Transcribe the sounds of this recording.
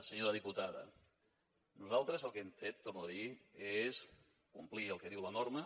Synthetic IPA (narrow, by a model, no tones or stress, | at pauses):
səɲoɾəðiput̪aðə̰ | nuzalˠt̪ɾəzəlˠkemfet̪̚ːomoðies | kumpliəlˠkeðiwlɐnoɾmə